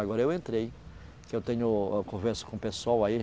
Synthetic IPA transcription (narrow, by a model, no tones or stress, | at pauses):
aɡɔɾɐewẽnt̪ɾej | kewt̪ẽɲʊkõvɛɾsʊ̥kõpeswawai